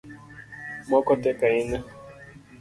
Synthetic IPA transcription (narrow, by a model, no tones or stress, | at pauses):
mɔkɔt̪ɛkaina